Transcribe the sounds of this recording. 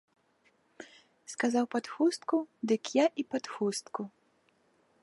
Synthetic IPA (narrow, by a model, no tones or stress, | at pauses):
skazawpat̪xust̪kud̪ɨkjaʔipat̪xust̪ku